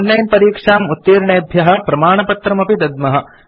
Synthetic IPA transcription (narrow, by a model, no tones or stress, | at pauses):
nːɐjnpɐɾiːkʂaːmut̪ːiːɾɳeːbʱjɐɦɐ̆pɾɐmaːɳɐpɐt̪ɾɐmɐpid̪ɐd̪̚mɐɦɐ̆